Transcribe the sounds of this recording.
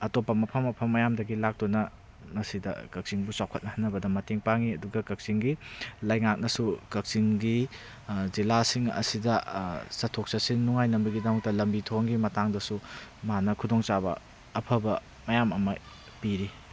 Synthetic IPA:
ɐtopːɐmɐpʰɐmɐpʰɐmːɐjamdɐɡilak̚tunɐ | ŋɐsidɐ̰kɐk̚siŋbusawkʰɐt̚nɐhɐnːɐbɐdɐmɐteŋpaŋiɐduɡɐkɐk̚siŋɡilɐjŋak̚nɐsukɐk̚siŋɡi | zilasiŋɐ̰sidɐsɐtʰok̚sɐsinːuŋajnɐmbɐɡidɐmɐk̚tɐlɐmbitʰoŋɡimɐtaŋdɐsumanɐkʰudoŋt͡ʃabɐ̰ː | pʰɐbɐ | mɐjamɐmɐ | piɾi

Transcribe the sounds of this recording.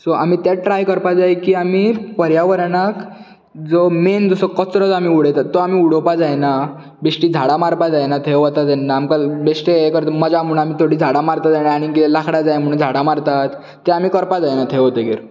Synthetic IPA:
soamiːt̪jaʈɾajkəɾpad͡zajkiːamipəɾjaʋəɾɳak | d͡zomend͡zɔsɔkət͡sɾɔd͡zamiːuɽet̪at̪ːɔamiːuɽopad͡zajna | beʂʈiːd͡zʱaɽamaɾpad͡zajnat̪ʰeɦɔt̪ad͡zɛnːaːmkabeʂʈeekəɾt̪əməd͡ʑam̤uɽ̃amiːt̪ʰoɽiːd͡zʱaɽamaɾt̪ad͡zajnaaɽ̃ikit̪elakʰɽad͡zajm̤əɽ̃ũnd͡zʱaɽamaɾt̪at̪ː | eamikəɾpad͡zajnat̪ʰeɦot̪eɡeɾ

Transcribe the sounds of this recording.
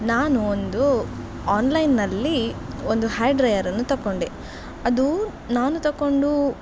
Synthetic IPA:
naːnuond̪u | aːnlɐjnːɐlːi | ond̪uhaːɖɾɐjɐɾɐnːut̪ɐkːoɳɖe | ɐd̪u | naːnut̪ɐkːo̞ɳɖu

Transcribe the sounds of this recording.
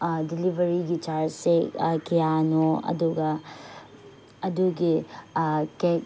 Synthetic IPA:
dilibʱɐɾiɡit͡ʃaɾsekijanoɐ̰duɡɐ | ɐduɡi | kek

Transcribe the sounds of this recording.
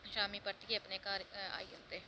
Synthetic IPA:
ʃaːmiːpəɾt̪ɪkeəpneːkaːɾa̰ːḭːo̰nd̪eː

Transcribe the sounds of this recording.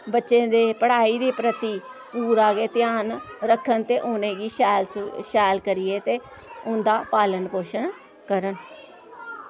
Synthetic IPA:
bətːʃẽːd̪eːpəɽ̤aːiːd̪iːpɾət̪iːpuːɾaːɡeːt̪ɪjaːnɾəkʰːənt̪eːʔʊːneːɡiːʃɛːlsʃɛːlkəɾɪeːt̪eː | ʊnd̪aːpaːlənpoːʃən | kəɾən

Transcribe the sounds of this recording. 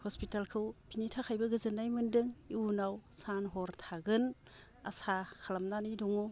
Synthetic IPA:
hɔspitalkʰɯwpʰinitʰakʰajbɐɡɯzɯnajmɯndɯŋiunawsanɦɔɾtʰaɡɯn | a̰sakʰalamnanijdɔŋu

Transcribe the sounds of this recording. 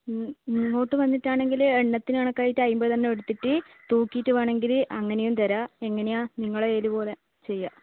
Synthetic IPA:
noːʈːɨʋɐnːiʈːaːɳe̞ŋɡileɳːɐt̪ːinaːɳɐkːajitːɐjumbot̪ɐnːeeɽut̪ːiʈːɨ | t̪uːkːijtːɨʋaːɳe̞ŋɡilʔɐŋːɐne̞jumt̪ɐɾae̞ŋːɐne̞jaːniŋːɐɭeeːlupo̞ːle̞ | t͡ɕe̞jːa

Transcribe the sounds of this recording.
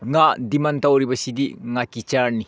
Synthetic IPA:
ŋadimantawɾibɐsidiŋakit͡ʃaɾni

